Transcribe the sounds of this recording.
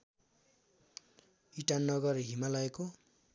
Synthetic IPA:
iʈanːʌɡʌrɦimalʌeko

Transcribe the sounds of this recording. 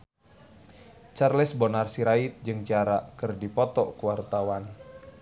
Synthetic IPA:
t͡ʃarlɛsbonarsiɾait̪̚d͡ʒɨŋt͡ʃaɾakɨrdipɔt̪ɔkuwart̪awan

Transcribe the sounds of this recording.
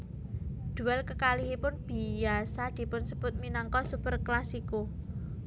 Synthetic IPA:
d̪̥ṳɛlkəkaliɦipʊnb̥i̤asad̪̥i̤pʊnsəb̥ʊt̪̚minɔŋkɔsupərklasiko

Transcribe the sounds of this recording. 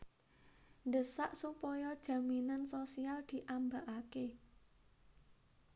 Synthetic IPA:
ndəsaʔsupɔjɔd̥ʒ̥ä̤minansosiald̪̥i̤ʔambaʔake

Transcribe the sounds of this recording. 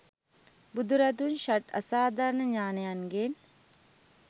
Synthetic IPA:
bud̪uɾɐt̪̬unʃɐʈɐ̰saːd̪aɾnəɲaːnejanɡen

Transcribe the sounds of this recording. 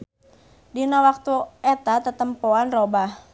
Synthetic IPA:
dinawak̚t̪uɛt̪at̪ət̪əmpoanrobah

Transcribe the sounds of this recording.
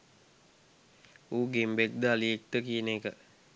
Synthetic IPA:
uːɡembek̚d̪əaliek̚t̪əkijənekə

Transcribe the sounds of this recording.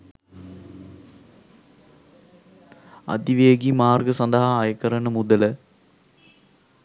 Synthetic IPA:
ɐ̰d̪iʋeːɡimaːrɡɐsɐnd̪ɐɦaːjɐkːɐɾɐnɨmud̪ɐl

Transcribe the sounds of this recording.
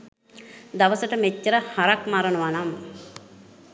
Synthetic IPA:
d̪aʋəsəʈəmet͡ʃːəɾəhaɾakmaɾənuʋanamː

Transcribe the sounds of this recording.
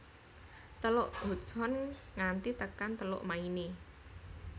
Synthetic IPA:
t̪əloʔɦṳt͡ʃɔnŋant̪it̪əkant̪əlo̰ʔmaini

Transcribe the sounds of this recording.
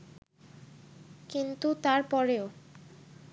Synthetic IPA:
kint̪ut̪aɾpɔɾeo

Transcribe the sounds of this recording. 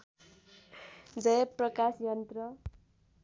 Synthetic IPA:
d͡zʌjʌprʌkasjʌnt̪rʌ

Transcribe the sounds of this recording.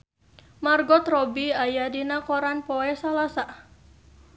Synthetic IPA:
marɡɔt̪rɔbiajadinakɔɾanpɔɛsalasa

